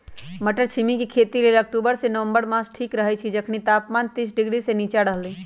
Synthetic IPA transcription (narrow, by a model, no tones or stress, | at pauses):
məʈəɾt͡ʃʰimikikʰeːt̪ileːlɐk̚ʈuːbəɾsenəʋə̃mbəɾmãːsʈʰiːkɾəɦɛt͡ʃʰid͡ʒɐkʰnit̪aːpmaːnt̪iːs̬ɖɪɡɽiseniːt͡ʃaɽəɦliː